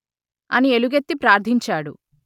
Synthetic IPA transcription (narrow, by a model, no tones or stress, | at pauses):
ɐnieluɡet̪ːipɾaːɾd̪ʱiɲt͡ʃaːɽu